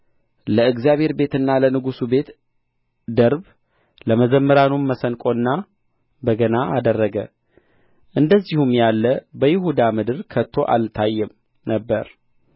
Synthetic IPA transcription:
ləɨɡzijaβhe̞ɾbe̞t̪ɨnːalənɨɡusube̞t̪ | d̪əɾb | ləməzəmːəɾanumməsənkʼo̞nːa | bəɡənaʔad̪ərːəɡə̰ | ʔɨnd̪əzːihumjalːəbəjɪhud̪amɨd̪ɨɾkʰət̪ʰːo̞ʔa̰lt̪ʰajːɛm | nəbːəɾ

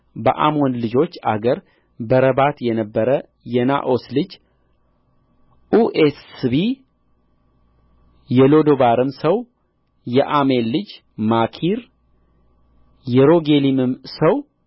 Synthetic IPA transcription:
bə̰ʔa̰mo̞nlɨd͡ʒo̞t͡ʃːa̰ɡəɾ | bəɾəbat̪jɛnəbːəɾə | jɛna̰ʔo̞slɨd͡ʒ | ʔuʔesbi | jɛlo̞d̪oβaɾɨmsəw | jɛʔamelːɨd͡ʒ | makʰiɾ | jɛɾo̞ɡe̞limɨmsəw

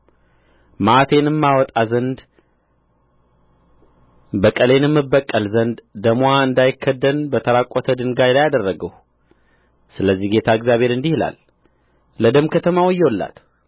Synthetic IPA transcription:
mat̪ʰe̞nɨmːawɔt̪ʼazənd̪ | bəkʼəle̞nɛmːɨbːəkʼːəlzənd̪d̪əmoaɨnd̪ajɪkʰːəd̪ːənbət̪ʰəɾakʼːot̪ʰəd̪ɨŋɡajlajad̪ərːəɡəh | sɨləzːihɡe̞t̪ʰaɨɡzjaβhe̞ɾɨnd̪ihla̰lː | əd̪əmkʰət̪ʰəmawɨjːɛwlːa̰t̪

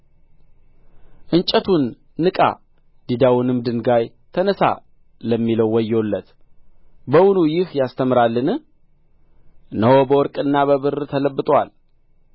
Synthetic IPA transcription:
ʔɨnt͡ʃʼət̪ʰunː | ɨkʼa̰ | d̪̥id̪awʊnɨmd̪ɨnɡaj | t̪ʰənəsa̰ | ləmːiləwːɔjːolːət̪ | bəwunujɪhjast̪ʰəmɨɾalːɨnɨ | nəɦobəwɔɾkʼɨnːaβəβɨrt̪ʰələbːɨt̪ʼwa̰l

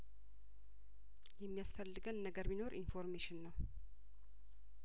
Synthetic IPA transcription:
jɛmːijasfəlːɨɡənːəɡəɾmino̞ɾʔinfo̞ɾmeʃɪnːəw

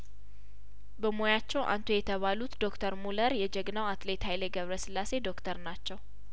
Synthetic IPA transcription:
bəmojat͡ʃːɛwʔa̰nt̪ʰojɛt̪ʰəβalut̪d̪o̞kt̪ʰəɾmuləɾjɛd͡ʒɛɡnawat̪le̞t̪hajləɡəβɾəsɨlːase̞d̪o̞kt̪ʰəɾnat͡ʃːɛw

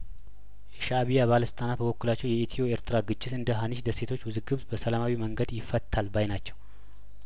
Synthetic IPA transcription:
jɛʃaβijaβaləsɨ̥t̪ʼanat̪̚bəβokːulat͡ʃːɛwjɛet̪ʰio̞eɾt̪ʰɨɾaɡɨt͡ʃʼːɪt̪ɨnd̪əɦanɨʃd̪əse̞t̪ʰo̞t͡ʃːwɨzɨɡɨβzbəsəlamawiməŋɡəd̪jɪfːət̪ʰːalbajnat͡ʃːɛw

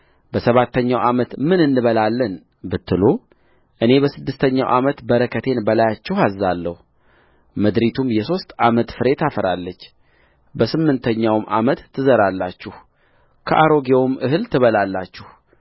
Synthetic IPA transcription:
bəsəβat̪ʰːəɲːawʔamət̪mɨnɨnːɨβəlalːən | bɨt̪ːɨlo | ʔɨnebəsɨd̪ːɨst̪ʰəɲːawʔamət̪bəɾəkʰət̪ʰe̞nbəlajat͡ʃːɛhazːalːəhu | məd̪ɾit̪ʰumjɛso̞st̪amət̪fɨɾe̞t̪afəɾalːət͡ʃː | bəsɨmːɨnt̪ʰəɲːawmʔa̰mət̪ːɨzəɾalːat͡ʃːɪh | kʰəʔaɾo̞ɡewomʔɨɦɨlt̪ʰɨβəlalːat͡ʃːɪh

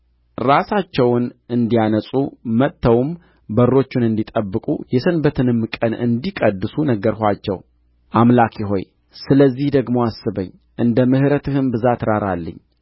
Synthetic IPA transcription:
ɾasat͡ʃːɛwnʔɨnd̪ijanəsʼumət̪ʰːəwm | bəɾːo̞t͡ʃːɪnɨnd̪it̪ʼəbːɨkʼṵjɛsənbət̪ʰɨnɨmːɨkʼənɨ̰nd̪ikʼəd̪ːɨsunəɡəɾhʷat͡ʃːɛ̰w | ʔamlakʰiɦo̞̰j | sɨləzːihd̪əɡmo̞asːɨbəɲː | ʔɨnd̪əmɨhɾət̪ɨhɨmbɨzat̪ɾaɾalːə̰ɲː

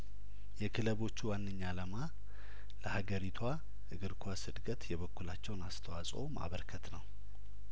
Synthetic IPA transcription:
jɛkʰɨləβo̞t͡ʃːuwanːəɲːaləma | ləhaɡəɾit̪ʰwa | ʔɨɡɨɾkʰwasɨd̪kʰʼət̪jɛβəkːulat͡ʃːɛwnast̪ʰəwasʼo̞ma̰βəɾkʰət̪nəw

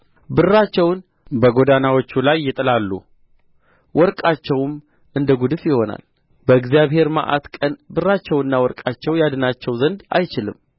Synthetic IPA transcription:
bɨrːat͡ʃːɛwn | bəɡo̞d̪anawot͡ʃːulajːɪt̪ʼɨlalːṵ | wʔɔɾkʼat͡ʃːɛwm | ɨnd̪əɡud̪ɨfjɪho̞na̰l | bəɨɡzijaβhe̞ɾma̰ʔa̰t̪kʼənbɨrːat͡ʃːɛwɨnːawɔɾkʼat͡ʃːɛwjad̪ɨnat͡ʃːɛwzənd̪a̰jt͡ʃɪlɨ̰m

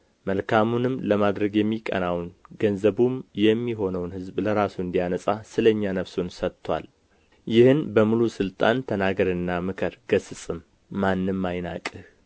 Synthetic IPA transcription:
məlkʰamunɨmləmad̪ɾəɡjɛmːikʼə̰nawnɡənzəβumjɛmːiɦo̞nəwnhɨzbləɾasuɨnd̪ijanəsʼasɨləɲːanəfsunsət̪ʰːwa̰l | jɪhɨnbəmulusɨlt̪ʼant̪ʰənaɡəɾɨnːamɨkʰɨɾɡ̥əsɨsʼɨmː | anːɨmːajna̰kʼɨh

